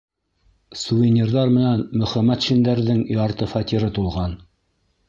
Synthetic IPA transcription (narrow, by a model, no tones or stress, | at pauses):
suvʲinʲirðɑɾmɘ̆nænmɵ̆χæmæt̪ʃĭnd̪æɾðɘŋjɑɾt̪ɤfɑt̪ʲiɾɤt̪ulˠʁɑn